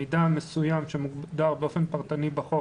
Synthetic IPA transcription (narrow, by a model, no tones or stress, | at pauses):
d̪amesujamʃemuɡd̪aʁbeofenpaʁt̪anibaχo